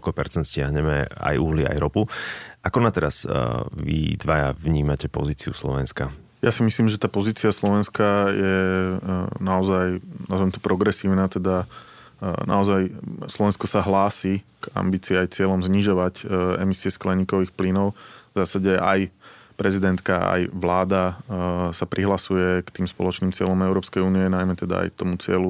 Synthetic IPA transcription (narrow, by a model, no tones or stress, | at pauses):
kɔpɛɾt͡sɛnt̪scɪaɦɲɛmɛ̰a̰juɦlia̰jɾɔpuʔakɔnat̪ɛɾaz̥ʋḭd̪ʋaja̰vɲiːmacɛpɔ̰ziːt͡siuslɔ̰ʋɛnska | jasimisliːmʒɛt̪aːpɔziːt͡siaslɔʋɛnskajɛ | naɔzajnazaɛmt̪ɔ̥pɾɔɡɾɛsiːʊnaːt̪ɛd̪a | nʔa̰ɔzajslɔʋɛnskɔsaɦlaːsika̰mbiːt͡siːajt͡sɪɛlɔmzɲiʒɔʋacɛ̰misiɛsklɛɲiːkɔʋiːxplinɔʊvzaːsaɟɛʔa̰jpɾɛzid̪ɛnt̪kaa̰jʋlaːd̪a | sapɾʔiɦlasujɛkt̪iːmspɔ̰lɔt͡ʃniːmt͡sɪɛlɔmɛʊɾɔːpskɛjuːniɛnajmɛt̪ɛd̪a̰a̰jt̪ɔmut͡sɪɛlu